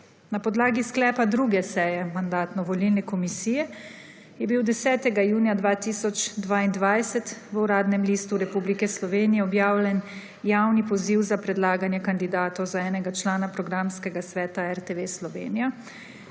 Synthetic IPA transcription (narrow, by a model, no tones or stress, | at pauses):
napɔd̪laːɡisklɛːpad̪ɾuːɡɛsɛːjɛmand̪aːt̪nɔʋɔlilnɛkɔmisiːjɛ | jɛbiwd̪ɛsɛːt̪ɛɡajuːnjad̪ʋaːt̪isɔt͡ʃd̪ʋaːind̪ʋajsɛt̪ʋəuɾaːd̪nɛmliːst̪uɾɛpublikɛslɔʋeːnijɛɔbjaːwlʲjɛn | jaːwnipɔziwzapɾɛd̪laːɡanjɛkand̪id̪aːt̪ɔwzaɛːnɛɡat͡ʃlaːnapɾɔɡɾamskɛɡasʋɛːt̪aɛɾt̪eʋeslɔʋḛːnija